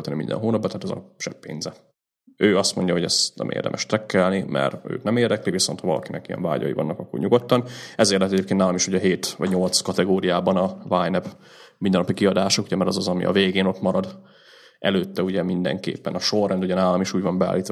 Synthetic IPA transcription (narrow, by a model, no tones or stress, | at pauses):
lt̪ɛnimind̪ɛ̰nɦoːnɒbːɒt̪aːt̪ɛzɒ̰ʃɛpːḛːnzɛ | øːɒst̪mo̞ɲɟɒɦoɟɛst̪nɛ̰mḛːrd̪ɛ̰mʔɛʃt̪ɛkːɛlnimʔɛ̰ɾø̰ːt̪nɛmeːrd̪ɛkliviso̞nt̪hɒɒlɒ̰kinɛkijɛ̰ɱva̰ːɟɒ̰jḭvɒ̰nːɒkɒkːorɲuɡo̞t̪ːɒnɛzeːrlɛt̪ɛɟeːpkent̪naːlomiʃuɟɛɦeːt̪ʋɒ̰ɟɲo̞lt̪skɒt̪ɛɡoːɾijaːbɒnɒvaːjnɛp | mind̪ɛnɒpikiɒd̪aːʃokuɟɛmɛɾɒzɒzɒmḭʔɒ̰veːɡeːno̞t̪mɒɾɒd̪ | ʔɛløːt̪ːɛuɟɛmind̪ɛ̰ŋkḛːpːɛnɒʃorːɛnd̪uɟɛnaːlɒmiʃuːɟvɒmbɛa̰ːlːiːt̪